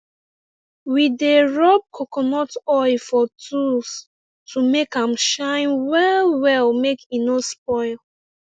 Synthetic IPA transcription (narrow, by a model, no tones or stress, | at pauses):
wideɹɔb̚kʰokʰɔnɔtɔɪfɔtʰus | tʰumekãmʃãɪ̃nwɛlwɛlmekinospɔɪl